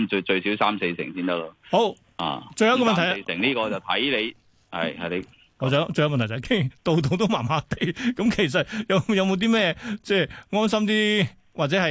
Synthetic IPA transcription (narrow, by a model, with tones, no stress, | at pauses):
t͡ʃɵ˧ɥsi˨˥wsaː˥mse˧jsɪ̰˨˩ŋsiː˥nt̪ɐ˥la˥ho˧˥w | ha̰ː˨˩t͡ʃɵ˧jɐ˧wkɔː˧mɐ˨nt̪jjsɪ̰˨˩ŋliː˥kɔː˧t͡sɐ˨wt̪ʰɐ˨˥jle˨˧j | hɐ̰˨˩jhɐ˨le˨˧ | ŋɔ˨˧t͡sːt͡ʃɵ˧jmɐ˨nt̪ʰt̪ʰːkʰe˥t̪o˨˧wt̪̬o˨˧wt̪o˥wmaː˨˩maː˧˥t̪e˨˧jkɐ˧˥mkʰe˨˩jsɐ˨t̚jɐ˨˧wjɐ˨˧wmo˧wt̪̬iː˥mɛː˥t͡sɛː˥˩ŋɔː˥nsɐ˥mt̪iː˥ | waː˨t̚t͡sɛ˨˥hɐ˨